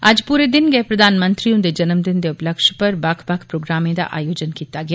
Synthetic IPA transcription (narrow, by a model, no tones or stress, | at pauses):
aːd͡ʒpuːɾed̪ɪnɡɛpɾɐd̪ʱaːnmə̃nt̪ɾijõd̪ed͡ʒɐnəmd̪ɪnd̪eʊpləkʃpɐɾbakʰbakʰpɾoːɡɾaːmẽd̪a̰ʔa̰ːjoːd͡ʒənkiːt̪aɡɐja